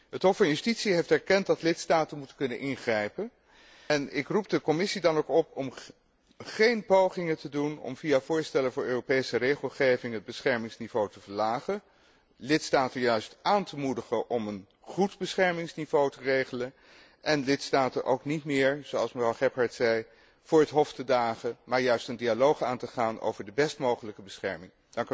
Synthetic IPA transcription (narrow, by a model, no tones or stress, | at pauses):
ɦətɦɔfːɑnjystitsiɦejftɛɹkɛnt̚dɑtlɪtstaːtənmutəkɵnənʔɪnχrɛjpən | ɛnɪkrup̚dəkɔmɪsidɑnokɔpɔm | χejnpowχɪŋətədunɔ̰mvijav̥ʊːɹstɛləvʊːɹøːropejsərejχəlˠχejvɪŋɦəd̚bəsχɛɹmɪŋsnivowtəvəɹlaːχən | lɪtstaːtənjœɥstʔaːntəmudəχəʔɔmən | χudbəsχɛɹmɪŋsnivowtərejχələn | ʔɛnlɪtstaːtənʔo̰wknitmɪːɹz̥oɑlˠsməvrɑwχɛpɦɑɹtsɛj | v̥ʊːɹɦətɦɔftədaːχəmaːɹjœɥstəndialowχaːntəχaːnʔo̰wvəɹdəbɛstmowχələkəbəsχɛɹmɪŋ | d̥ɑŋk